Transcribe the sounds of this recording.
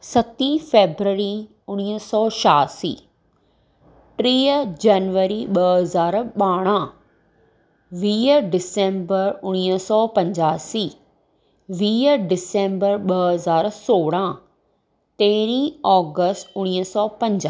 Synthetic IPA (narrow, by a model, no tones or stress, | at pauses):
sɐt̪ĩfeːbɾəɾi | ʊɽ̃iɦəsɔːʃaːsḭː | ʈɾiːəd͡ʑanʋəɾiɓəɦɐzaːɾɓaːɽ̃ã | ʋiːəɾɖɪsẽːmbəɾʊɽ̃iːəsɔːpɐ̃ɲd͡ʑaːsiː | ʋiːəɾɖɪsẽːmbəɾɓəɦɐzaːɾsoːɽ̃ã | t̪eːɾĩːɔːɡəsʈʊɽ̃iɦəsɔːpɐ̃ɲd͡ʑa